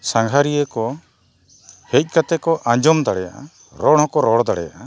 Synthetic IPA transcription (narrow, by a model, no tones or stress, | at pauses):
saŋɡʱaɾijəkɔ | hec̪̚ˀkat̪ɛkɔʔãɲd͡ʒɔmd̪aɽɛja̰ʔa̰ | ɾɔɽhɔkɔɾɔɽd̪aɽɛ̰ja̰ʔa